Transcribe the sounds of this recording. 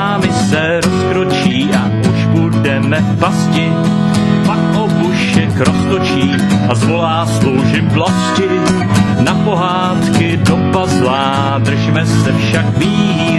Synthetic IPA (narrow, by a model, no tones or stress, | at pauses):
aːmɪsɛ | ɾoskɾot͡ʃiːʔaʔuʃbudɛmɛ | pascɪ | pakʔobuʃɛkɾosk̪ot͡ʃiː | ʔazvolaːslowʒɪblascɪ | napo̞ɦaːt̪kɪdopazlaː | d̪r̩ʒmɛsɛfʃakviː